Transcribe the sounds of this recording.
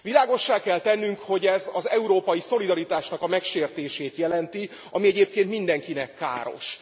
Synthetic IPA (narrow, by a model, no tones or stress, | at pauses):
ʋilaːɡo̞ʃːaːkɛlt̪ɛnːyŋkho̞ɟɛzɒzɛuɾoːpɒjiso̞lid̪ɒɾit̪aːʃnɒkɒmɛkʃeːrt̪eːʃeːt̪jɛlɛnt̪i | ɒmiɛɟeːp̚keːnt̪mind̪ɛŋkinɛkːa̰ːɾo̞̰ʃ